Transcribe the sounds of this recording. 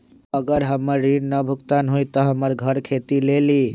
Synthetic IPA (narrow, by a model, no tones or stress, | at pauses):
əɡəɾɦəməɾːiɖnəbʱʊkt̪anɦujt̪ɔɦəməɾɡʱəɾkʰet̪ileli